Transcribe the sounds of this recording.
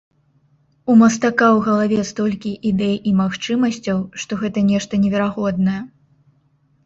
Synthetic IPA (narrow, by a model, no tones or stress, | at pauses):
umɐst̪akawɣɐlˠavʲɛst̪ɔlʲkʲiʔid̪ɛjimaxt͡ʂɨmɐsʲt͡sʲɐwʂt̪ɔɣɛt̪ɐnʲɛʂt̪ɐnʲɛvʲɛɾaɣɔd̪nɐjɛ